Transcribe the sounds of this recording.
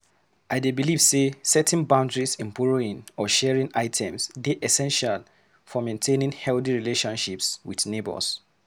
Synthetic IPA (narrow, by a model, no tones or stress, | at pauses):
ʔaɪdebiliv̥sesɛtʰnbãʊ̃ndɹisĩnpɔɹoĩnɔʃɛɹĩnʔaɪtʰɛ̃msdeʔɛsɛ̃nʃal | fɔmẽntʰẽnĩŋhɛlθiɹileʃɔ̃nʃipswiðnebə̰s